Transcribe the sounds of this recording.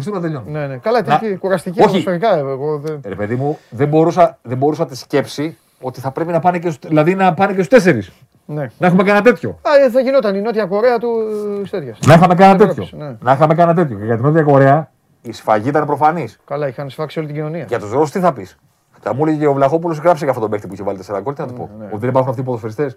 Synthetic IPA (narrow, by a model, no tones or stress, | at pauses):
fst̪omɐt̪eʎonnenekɐlɐnɐkuɾɐst̪icioçifɐikɐeeɣo̞ðeɾepe̞ðimuðembo̞ɾusɐðembo̞ɾusɐt̪isce̞psi | o̞t̪iθɐpɾe̞pinɐpɐnecesðilɐðinɐpɐneces̬u̥st̪es̬e̞ɾis | nenɐexumekɐnɐt̪e̞t̪ço̞ɐðeʝino̞t̪ɐnino̞t̪iɐko̞ɾeɐt̪uist̪et̪çɐsnɐixɐme̞kɐnnɐt̪e̞ço̞nenɐixɐmekɐnɐt̪et̪ço̞ceʝɐt̪ino̞t̪jɐko̞ɾe̞ɐ | isfɐʝiit̪ɐnepɾo̞fɐniskɐlɐixɐnsfɐksiolit̪ɟino̞niɐʝɐt̪uzɾost̪iθɐpis | t̪ɐmuleʝeceovlɐxo̞p̬ulosɣɾɐpsekɐft̪ot̪ome̞xt̪ipuiçevɐlit̪eseɾɐko̞lt̪enɐt̪i̥po̞̰ot̪iðebɐɾxunɐft̪ipoðofeɾist̪e̞s